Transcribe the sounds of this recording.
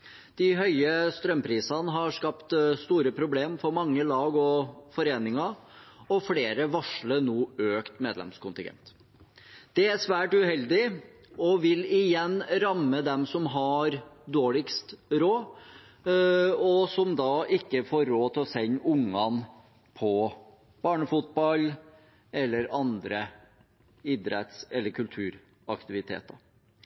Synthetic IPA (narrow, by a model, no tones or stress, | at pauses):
d̪̥ɪɦœʏəst̪ɾœmpʰɾiːsɑnəɦɑɾʂkɑpt̪st̪uːɾəpʰɾʊbleːmfɔɾmɑŋːəlɑːɡɔfɔɾeːnɪŋɑɾɔfleːɾəʋɑʂɭənuːøːkt̪meːd̪lɛ̰mskʊnt̪ɪ̰ŋɡɛ̰nt̪ | d̪̥ɛæʂʋæːʈʉhɛld̪ɪ | ɔʋɪlɪjɛnːɾɑmːəd̪ɛmsɔmɦɑɾd̪oːɭɪkst̪ɾoː | ɔsɔmd̪ɑʔɪkːəfoːɾːoːt̪ʰɪlɔsɛɲːʊŋɑn | pʰɔ | b̥ɑːɳəfʊt̪̚bɑl | ɛlːəɾɑnd̪ɾə | ɪd̪ɾɛ̰t̪sɛlːəɾkʰʉlt̪ʰʉːɾ | ɑkt̪ɪʋɪt̪ʰḛːt̪ɑ̰ɾ